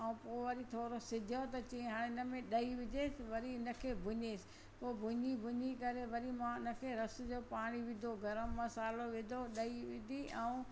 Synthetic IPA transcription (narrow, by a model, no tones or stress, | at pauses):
ɐũpoːʋɐɾit̪ʰoːɾosɪd͡ʑʱot̪ɐt͡ɕiːẽɦaːɽ̃ẽɪnəmẽɗɐiʋɪd͡ʑʱeːsɪʋɐɾiɪnəkʰeːbʱʊɲeːsɪ̥ | poːbʱʊɲibʱʊɲikɐɾeʋɐɾimãɪnə̆kʰeːɾɐsʊd͡ʑoːpaːɽ̃iʋɪ̃d̪ʱoɡɐɾəmːɐsaːloʋɪd̪ʱoɗɐiʋɪd̪ʱiɛũ